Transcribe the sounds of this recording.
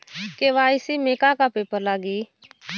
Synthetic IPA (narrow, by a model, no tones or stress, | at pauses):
keːʋaːisiːmeːkaːkaːpeːpəɾlaːɡiː